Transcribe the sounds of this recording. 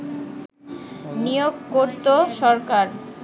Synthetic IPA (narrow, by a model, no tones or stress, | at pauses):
nijoɡkoɾt̪oʃɔɾkaɾ